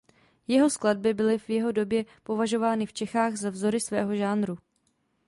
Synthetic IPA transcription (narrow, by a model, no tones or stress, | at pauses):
jɛɦo̞sklad̚bɪbɪlɪvjɛɦo̞do̞bjɛpo̞vaʒo̞vaːnɪft͡ʃɛxaːɣzavzo̞ɾɪsvɛːɦo̞ʒaːnɾu